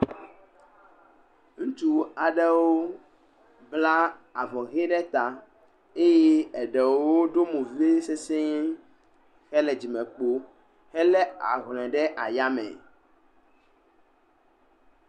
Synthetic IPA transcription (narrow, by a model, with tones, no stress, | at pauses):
ŋũ˦t͡ʃu˦a˨ɖɛ˦wo˦ | bla˦a˨vɔ˨ɣe˦ɖɛ˦t̪a˨ | e˦je˦ɛ˨ɖɛ˨wo˦ɖo˦mũ˨vi˦e˦se˦se˦ | xɛ˦lɛ˨d͡ʑi˨mɛ̃˨k͡po˦ | hɛ˦lɛ˦a̰˨ɣlɛ̃˨ɖɛ˦ʔa˨ja˦mɛ̰˨